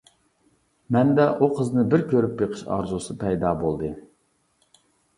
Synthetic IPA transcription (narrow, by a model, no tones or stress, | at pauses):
mɛnd̪ɛʔuqʰəznɨbɪɾkʲøɾypbeqʰə̥ʃɑ̰ɾzusɨpʰɛjd̪ɑbolˠd̪ɨ